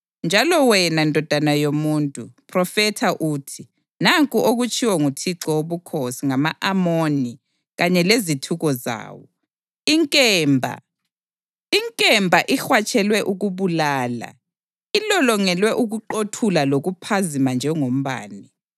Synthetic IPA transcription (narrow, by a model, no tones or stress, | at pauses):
nd͡ʒʱalɔwɛnandʱɔd̥ʱanajomuːntʼupʰrɔfɛtʰaʔuːtʰi | naŋkʼuʔoɣut͡ʃʼʰiwɛŋutʰiǁɔwoβukʰosiŋamaʔamoni | ɣaɲɛlezitʰuɣɔza̰ːwɔ | iŋkʼɛmbʱa̰ | iŋkʼɛmbʱaʔixwat͡ʃʼɛlwɛʔuɣuβulaːla̰ | ilɔlɔŋɛlwɛʔuɣuǃotʰulaloɣupʰazimand͡ʒʱɛŋom̩βa̰ːni